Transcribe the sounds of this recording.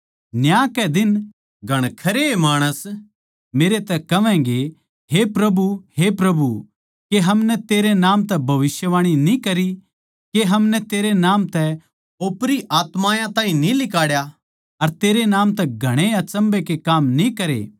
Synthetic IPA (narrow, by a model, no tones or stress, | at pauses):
njãːkɛd̪ɪn | ɡʱɐɽ̃kʰɐɾeemaːɽ̃əs | meːɾet̪ɛkɐʋɛ̃ːɡe | ɦepɾɐbʱuɦepɾɐbʱu | keɦɐmnɛt̪eːɾenaːmt̪ɛbʱɐʋɪsjəʋaːɽ̃inĩkɐɾi | keɦɐmnɛt̪eːɾenãːmt̪ɛ | oːpɾiʔaːt̪maːjãt̪ãːɦĩnĩlɪkaːɽja | ɐɾt̪eːɾenãːmt̪ɛɡʱɐɽ̃eɐt͡ʃɐ̃mbekekaːmnĩkɐɾḛː